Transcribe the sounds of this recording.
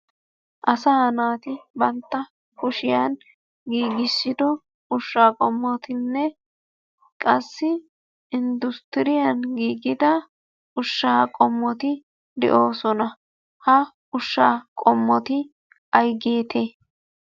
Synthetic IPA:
ʔɐsaːnaːt̪ɪbɐnt̪ːɐ | kʊʃɪjan | ɡiːɡɪsːɪd̪ɔ | ʊʃːaːkʼɔmːɔt̪ɪnːɛ | kʼɐsːɪ | ɪnd̪ʊst̪ɪɾɪjɐnɡiːɡɪd̪ɐ | ʊʃːaːkʼɔmːɔt̪ɪ | d̪ɛ̰ʔo̞ːsɔnɐ | hɐ | ʊʃːaːkʼɔmːɔt̪ɪ | ʔɐjɡe̞ːt̪ʰe

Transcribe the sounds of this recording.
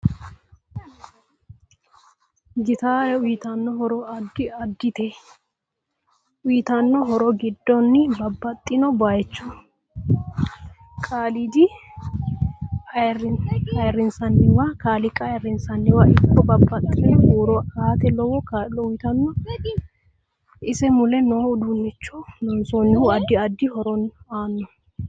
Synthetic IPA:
ɡɪt̪aːɾɛʊjɪt̪ɐnːɔɦɔɾɔɐd̪ːɪɐd̪ːɪt̪ɛ | ʔʊjɪt̪ɐnːɔɦɔɾɔɡɪd̪ːɔnːɪbɐbːɐt̪ʼːɪnɔbaːjɛt͡ʃːʊ̥ | kʼaːlid̪ɪ | ɐ | ɐjrːɪnsɐnːɪwakaːlɪkʼɐjɐrːɪnsɐnːɪwaʔɪkːɔbɐbːɐt̪ʼːɪnɔhɾɔaːt̪ɛlɔwɔkalɔwit̪ɐnːɔ | ʔɪsɛmʊlɛnɔʊd̪unːɛt͡ʃːunɔnsɔnːɪhuɐd̪ɪɐd̪ːɪhɔɾɔnaːnːɔ

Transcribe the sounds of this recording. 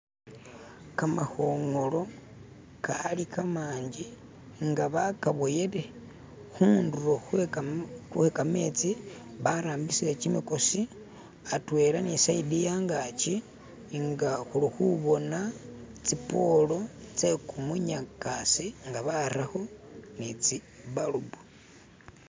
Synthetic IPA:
kamaxoːŋolo̞ | kalikamaːɲɟi | ŋɡaβakaβoje̞le | xunduroxw | xuekame̞ːt͡si | βaɾaːmbisilet͡ʃimikosi | atwe̞ːlanisaidijaŋɡat͡ʃi | ŋɡaxulixuβo̞na | t͡sipo̞lo̞t͡se̞kumuɲakasiŋɡaβaɾaxo̞nit͡si | βalubu

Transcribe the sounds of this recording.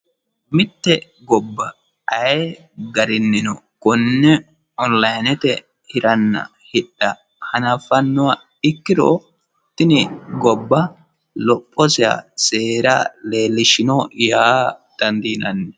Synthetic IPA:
mɪt̪ːɛ | ɡɔbːɐ | ɐjɛ | ɡɐɾɪnːɪnɔ̰kʊnːɛ | ɔnlɐjnɛt̪ɛ | hɪɾɐnːɐ̰ | hɪɗːɐ | hɐnɐfɐnːʊwa | ɪkːɪd̪o̰ | t̪ːɪnɪɡɔbːɐ | lɔpʼːɔsɪa̰seːɾaleːlːɪʃɪnɔjaːd̪̥ɐnd̪iːnɐnːɛ

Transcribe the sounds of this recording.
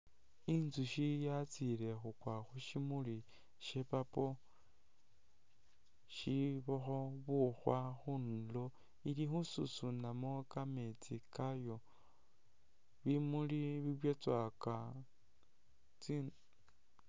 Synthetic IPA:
inzuʃijat͡sile̞xukwaxuʃimuli | ʃepapo̞ | ʃiβoxoβuxwaxunlo | ilixususunamokame̞t͡sikajo | βimuliβiβwjot͡swaka | t͡sin

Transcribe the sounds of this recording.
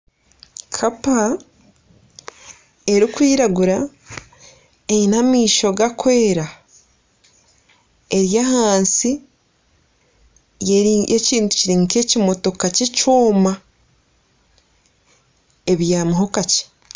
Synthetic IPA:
kʰapa | e̞ɾikwiːɾaɡuɾa | einamiːʃo̞ɡakwe̞ːɾa | e̞ɾjaɦaːnsi | jjʔeciːntu̥ciɾiŋke̞cimo̞to̞kacecoːma | e̞βjaːmuɦokace̥

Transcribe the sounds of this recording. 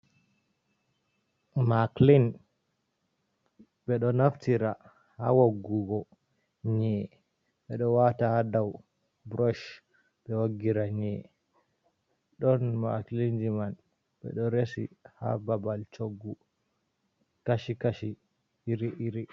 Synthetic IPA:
maklin | ɓɛɗɔnaftiɾa | ha̰woɡːuɡɔ | ɲɛ | ɓɛɗɔwatahadaw | bɾɔʃ | ɓɛwoɡiɾaɲɛ | ɗɔnma̰klind͡ʒiman | ɓɛ̰ɗɔɾesḭha̰babalt͡ʃoɡːu | kaʃikaʃi | iɾiʔiɾi

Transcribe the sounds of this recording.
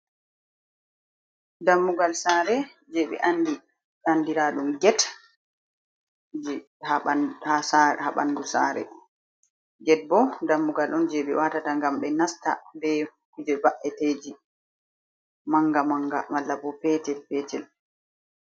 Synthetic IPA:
damːuɡalsaːɾɛ | d͡ʒɛɓɛ̰ʔandi | andiɾaɗumɡɛt | d͡ʒ | haahasaɾhaɓa̰nɡusaɾɛ̰ | ɡɛt̚bɔdamːuɡalɗɔnd͡ʒɛɓɛ̰watataŋɡamɓɛnasta̰dɛ | kud͡ʒɛbaʔɛteːd͡ʒi | maŋɡamaŋɡa̰malːabɔpɛtɛlpɛːtɛl

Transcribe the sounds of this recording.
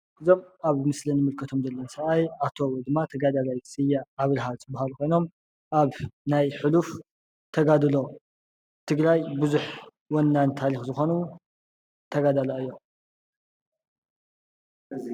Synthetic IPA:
ʔɨzo̞maβmɨslɨnɨmɨlkʰɐt̪ʰo̞mzɐlːɐnsɐʔajat̪ʰo̞d̪ɨmːat̪ʰɐɡad̪alajsɨjaːβlɦalt̪ʰɨbahalkʰo̞jno̞m | ʔaβnajħɨluf | t̪ʰɐɡad̪ɨlo̞ | t̪ʰɨɡlajbɨzuħ | wɐnːant̪ʰaɾixzɨxo̞nu | t̪ʰɐɡad̪alaɨjːo

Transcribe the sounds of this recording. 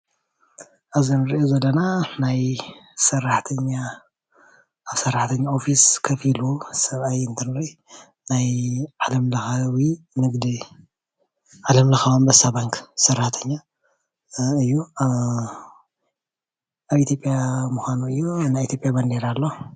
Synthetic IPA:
ʔaβzinɨɾiʔozɐlːɐnanajsɐrːaħt̪ʰɐɲːa | βsɐrːaħt̪ʰɐɲːao̞fiskʰɐfilusɐβʔajɨnt̪ʰɐnloj | najʕalɐmlɐxawi | nɨɡd̪i | ʕalɐmlɐxaβombɐsabaŋksɐrːaħt̪ʰɐɲːa | ɨjːu | ʔaβʔit̪ʰjopʼjamuxʷanuɨjːonajit̪ʰjo̞pʼjabɐnd̪eɾalːo

